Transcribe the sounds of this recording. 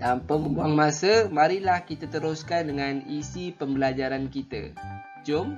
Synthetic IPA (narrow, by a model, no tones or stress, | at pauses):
tampəməbuaŋmãsəmaɾilahkit̪at̪əɾʊskandəŋãnisipəmbəlad͡ʒaɾankit̪a̰ | d͡ʒom